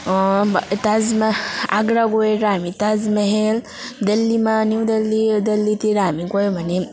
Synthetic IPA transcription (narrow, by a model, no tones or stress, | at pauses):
t̪azmaa̰ɡɾaɡoeɾaːmit̪azmeɦel | d̪elːimaniwd̪elːid̪ɐlːit̪iɾaːmikojmʱani